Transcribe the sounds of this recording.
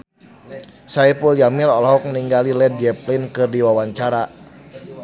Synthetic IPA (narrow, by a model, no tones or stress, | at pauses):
saipuld͡ʒamilɔlɔɦɔk̚niŋɡalilɛd̚d͡ʒɛplinkɨrdiwawaɲt͡ʃaɾa